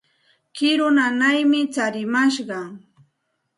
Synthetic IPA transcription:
kɪɾʊnanajmɪt͡ʃaɾɪmaʃɢɑ

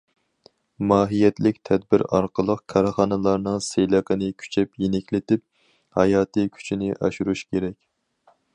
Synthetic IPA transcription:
mɑːɦijɛt̪lɪk̚ʲt̪ʰɛd̪̚bɪɾɑ̰ɾqəlˠəqkʰɑɾχɑːnɨlˠɑɾnɨŋsejlˠɑqənɨkʲʰy̥t͡ʃʰɛpjenɛkʲlɪt̪ɪp̚ | hɑ̰jɑːt̪ʰɨkʲʰy̥t͡ʃʰinɪʔɑ̰ʃuɾuʃkʲʰeɾɛkʲ

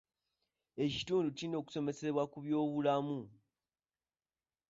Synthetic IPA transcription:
e̞ci̥tuːnducino̞ːku̥so̞me̞se̞βwakuβjo̞ːβulamu

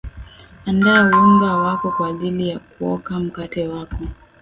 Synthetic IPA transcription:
andaɛuuŋɡawakɔkwaːʄilijakuɔkam̩katɛwakɔ

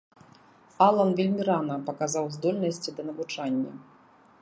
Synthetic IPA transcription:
alˠɐnvʲilʲmʲiɾanɐpɐkazawzd̪ɔlʲnɐsʲt͡sʲid̪ɐnɐvut͡ʂanʲːɐ̰

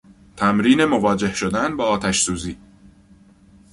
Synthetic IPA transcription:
t̪ʰæmɾiːne̞mo̞vɒːd͡ʒe̞hʃo̞d̪ænbɒːt̪ʰæʃsuːziː

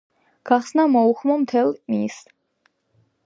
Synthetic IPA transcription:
ɡ̥aχsnamɔuχmɔmt̪ʰɛlˠmis

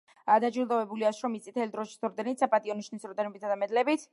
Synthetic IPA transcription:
d̪ad͡ʒiɾld̪ɔvɛbuliasɾɔmit̪ʰʼit̪ʰɛlid̪ɾɔʃi̥sɾd̪ɛnit̪sapʼat̪ʼiɔniʃnisɾɔd̪ɛnɛbit̪ʰad̪amɛd̪lɛbit̪ʰ

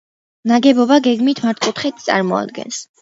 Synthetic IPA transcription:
naɡɛbɔbaɡɛɡmit̪ʰmaɾt̪ʰkʼut̪χit̪̚t̪sʼa̰ɾmɔa̰d̪̚ɡɛ̰ns

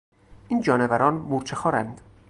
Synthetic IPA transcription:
ʔiːnd͡ʒɒːnevæɾɒːnmuɾt͡ʃʰexɒːɾænd̪

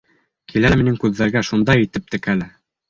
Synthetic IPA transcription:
kʰilæminɘŋkʉðːæɾɡæʃund̪ɑjĭt̪ɘp̚t̪ɘ̆kælɘ

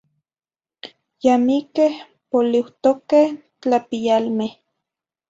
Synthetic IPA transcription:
jamikeh | poliwt̪okeh | t͡ɬapijalmeh

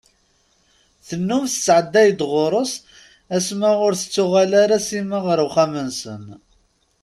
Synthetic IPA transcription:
θənːʊmθət͡sːʕəd̪ːæjd̪ʁʊɾˤəs | æsmæʁʊɾθət͡sːʊʁalaɾasimaʁəɾwχæmənsə̰n

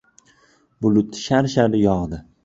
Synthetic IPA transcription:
bʊlʊt̪ʃaɾʃaɾɪjɒʁd̪ɪ

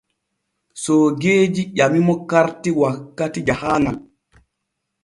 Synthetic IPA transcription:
sɔɡeːd͡ʒiʄamimɔkaɾtiwakːatid͡ʒahaːnal

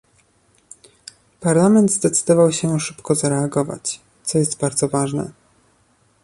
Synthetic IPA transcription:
paɾlamɛnd̪zd̪ɛt̪sɘd̪ɔvawɕɛʂɘpkɔzaɾɛaɡɔva̰t͡ɕ | t̪sɔjɛst̪baɾd̪zɔvaʐnɛ̰

